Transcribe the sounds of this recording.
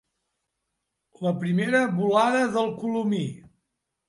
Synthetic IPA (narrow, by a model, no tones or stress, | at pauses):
ləpɾimeɾəβulaðəðəlˠkulumi